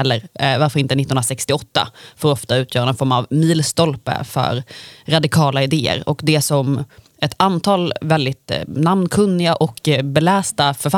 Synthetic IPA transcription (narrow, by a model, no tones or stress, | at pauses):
ɛlːəɾvaɾfœɾɪnt̪ənɪt̪ːnnɾasɛkst̪ɪɔt̪ːa̰fɔːɾɔft̪aʉ̟ːt̪ʰjœːɾanɔnfɔɾma̰vmiːlst̪ɔlpə̰fœ̰ɾɾad̪ɪkʰɑːlaɪd̪eːə̰ɾɔkd̪ɛsɔm | ɛt̪ʰant̪ʰɑːlvɛld̪ɪt̪namnkʰɵnːɪɡaʔɔkbɛlæːst̪afœɾfa